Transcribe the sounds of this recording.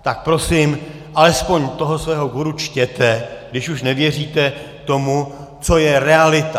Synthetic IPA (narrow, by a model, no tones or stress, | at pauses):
t̪ak̚pɾo̞sɪm | ʔalɛspo̞ɲt̪o̞ɦosvɛːɦo̞ɡuɾut͡ʃcɛt̪ɛɡdɪʃuʃnɛvjɛr̝iːt̪ɛ | t̪o̞mu | t͡so̞jɛɾɛalɪt̪a